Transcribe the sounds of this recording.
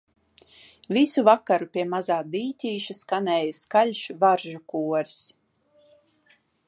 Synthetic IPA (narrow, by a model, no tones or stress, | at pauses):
visuvakaɾupʲiɛmazaːd̪iːt̪ʲiːʃiskanɛːjaskalʲʃvaɾʒukuɔɾs